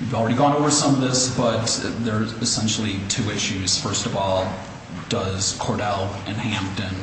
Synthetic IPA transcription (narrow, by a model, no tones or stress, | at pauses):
jʉvl̩ˠɹɛɾiɡɔ̃ñoʊvə˞sʌ̃mʌvðɪsb̥ʌt̪̚ðə˞ɨsɛ̃nʃl̩ˠitʰʉɪʃʉz̥fɜ˞stʌvɔlˠ | d̥ʌz̥kʰɔɹɾɛlˠʔɨ̃nhæ̃mp̚tɨ̃n